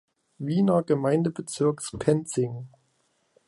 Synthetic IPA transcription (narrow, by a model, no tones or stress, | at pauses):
viːnɐɡəmaɪndəbət͡sɪɐkspʰɛnt͡sɪŋ